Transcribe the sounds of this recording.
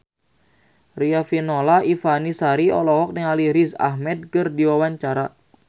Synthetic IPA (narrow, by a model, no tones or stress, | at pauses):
riafinolaifanisaɾiɔ̰lɔɦɔk̚niŋaliɾisa̰hmɛd̚kərdiwawaɲt͡ʃaɾa